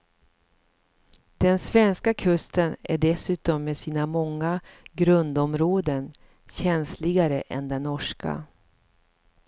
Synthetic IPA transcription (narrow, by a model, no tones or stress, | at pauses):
d̪̥ɛnsvɛnskakʰɵst̪ənæ̰ɖɛsʉ̟ːt̪ɔmːeːsiːnamɔŋːaɡɾɵnd̪ɔmɾoːd̪ən | ɕɛnslɪɡaɾəʔɛ̰nd̪ɛnːɔʂka̰